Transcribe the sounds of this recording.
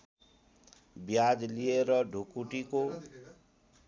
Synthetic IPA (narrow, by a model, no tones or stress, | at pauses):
bjad͡zlieɾʌɖʱukuʈiko